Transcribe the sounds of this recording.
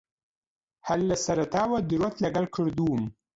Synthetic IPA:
halːasaɾat̪ɑːwad̪ɪɾat̪laɡalkʰəɽd̪um

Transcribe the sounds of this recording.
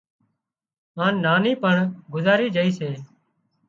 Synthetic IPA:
ãːnːaːniːpəɳɡʊzaːɾiːd͡ʒəiːseː

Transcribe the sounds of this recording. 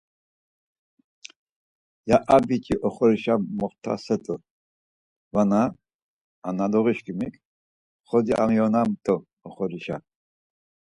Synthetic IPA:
jaʔabikʼiʔɔχɔɾiʃamːɔχt̪ʰa̰sɛt̪ʼə | vanaː | nad̪ɔʁiʃkʼimikʰʼ | χɔd̪iʔa̰miɔnamt̪ʰʼɔ | ɔχɔɾiʃa̰

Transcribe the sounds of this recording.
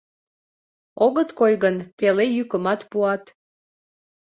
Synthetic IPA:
oɣət̪kojɣənpelejykəmɑt̪puɑt̪

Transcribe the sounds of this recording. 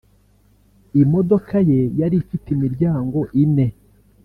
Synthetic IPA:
imo̞dokaje̞jaɾifitimiɾɟaːŋɡo̞ʔine̞

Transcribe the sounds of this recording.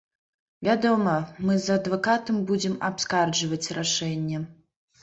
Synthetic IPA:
vʲad̪ɔmɐmɨzɐd̪vɐkat̪ɐmbud͡zʲɛmapskard͡ʒɐvɐt͡sʲraʂɛnʲːɛ

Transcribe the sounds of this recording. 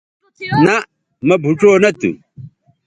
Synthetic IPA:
nɐ | mɐbʱuʈ͡ʂoːnɐt̪ṵ

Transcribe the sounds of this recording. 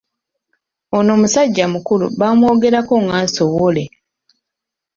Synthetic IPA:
ono̞ːmusaɟːamukulṵβamwo̞ːɡe̞ɾakoŋɡaːnsoβole̞

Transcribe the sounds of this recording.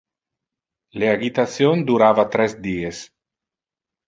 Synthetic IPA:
leaɡit̪asjond̪uɾaːvat̪ɾɛzd̪iːes

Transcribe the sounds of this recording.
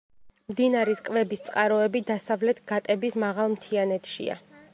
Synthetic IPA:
md̪inaɾiskʼvɛbist̪sʼqʼaɾɔɛbid̪asavlɛt̪ʰɡ̥at̪ʼɛbismaʁalˠmt̪ʰianɛt̪ʰʃḭa̰

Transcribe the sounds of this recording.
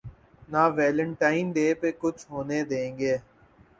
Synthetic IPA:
naːʋɛːlə̃ɳʈaːɪnɖ̪eːpekʊt͡ʃʰɦoːned̪ẽːŋɡeː

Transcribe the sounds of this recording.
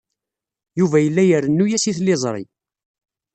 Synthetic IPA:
juvæjəlːæjəɾənːujæsiθlɪzˤɾˤḭ

